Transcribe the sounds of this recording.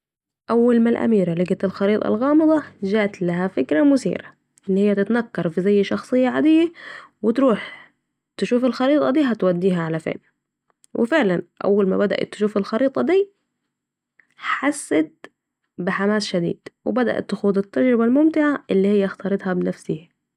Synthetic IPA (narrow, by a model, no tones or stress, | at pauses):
ʔawːalmalʔa̰miːɾalɪɡat̪ɪlxɑɾiːt̪ˤɑ̰lɣɑːmɨd̪ˤɑd͡ʒaːʔt̪laɦafɪkɾamʊsḭːɾa | ʔɪnːhɪjːat̪ɪt̪nakːɑɾˤfizajːʃɑxsˤɨjːaʕad̪ɪjːawɪt̪ɾuːħ | t̪ɪʃuːfɪlxɑɾiːt̪ˤɑd̪iːɦat̪wad̪ːiːɦaʕalafḛːn | wʔɪ̰fɪʕlanʔa̰wːalma̰bad̪a̰ʔa̰t̪ːɪ̥ʃuːfɪlxɑɾiːt̪ˤɑd̪iː | ħasːat̪̚ | bɪħamaːsʃad̪ḭːd̪̥wɪ̰bad̪a̰ʔa̰t̪ːɪxuːd̪ˤɪt̪ːad͡ʒɾɪbalmʊmt̪ɪʕaʔɪlːihɪjːaxt̪ɑːɾˤɨd̪hɑbɪnafsɪhi